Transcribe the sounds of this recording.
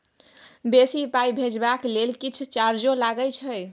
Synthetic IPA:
besipajbʱed͡ʒbaklelkit͡ʃʰut͡ʃaɾd͡ʒõlaɡət͡ʃʰəj

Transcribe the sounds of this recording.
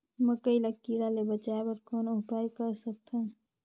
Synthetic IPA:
məkəilaɡ̚kiɽalebət͡ʃaebəɾkɔnoɦpajkəɾsək̚t̪ʰə̃

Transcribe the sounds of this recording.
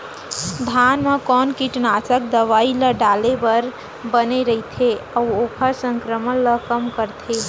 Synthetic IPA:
d̪ʱaːnmekɔːnkiʈnaːt͡ʃək̚d̪əʋaːiləɖaːlebəɾ | bəneɾəɦit̪ʰeəuoːkʰəɾsə̃ŋkɾəmənləkəmkəɾt̪ʰeː

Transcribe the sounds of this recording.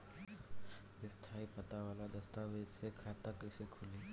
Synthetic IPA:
d̪ɪst̪ʰaːipət̪aʋaːlad̪ɐst̪aʋeːd͡ʒsekʰat̪əkɪsekʰʊliː

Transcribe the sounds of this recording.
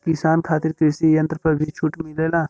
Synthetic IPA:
kɪsaːnkʰaːt̪ɪɾkɾisijɐ̃nt̪ɾəpɐɾbʱit͡ʃʰʊʈmɪleːlaː

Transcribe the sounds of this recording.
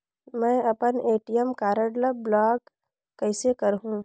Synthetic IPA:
mɛ̃ːɐpəneːʈijəmkaːɾəɽləblaːɡ | kːəɪsekɐɾɦũ

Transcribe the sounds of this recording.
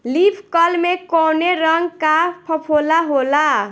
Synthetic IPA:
lipʰkʌlmekowneɾʌŋɡkapʰʌpʰolaɦola

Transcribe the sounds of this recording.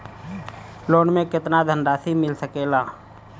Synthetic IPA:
loːnmẽkɪt̪nad̪ʱə̃nɖaːsimɪlsəkeːlaː

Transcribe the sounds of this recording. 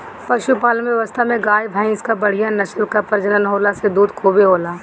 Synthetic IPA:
pɐʃupaːlmẽʋəst̪ʰamẽɡaːjbʱaːĩɪskabɐɽ̤ijanɐʃəlkapɐɾd͡ʒənənɦoːlased̪uːd̪kʰoːbeɦoːlaː

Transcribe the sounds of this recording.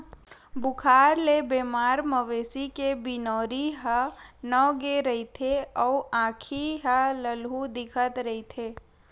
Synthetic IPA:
bʊkʰaːɾlebeːmaːɾməʋeːsikebinɔːɾiɦənɔːɡeɾəɦit̪ʰeɔːãːkʰiɦələlɦud̪ɪkʰət̪ɾɐit̪ʰeː

